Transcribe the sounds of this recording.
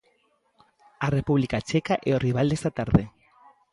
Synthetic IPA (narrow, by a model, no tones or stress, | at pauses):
arepuβlikat͡ʃekaʔeoriβ̞ald̪est̪at̪aɾðe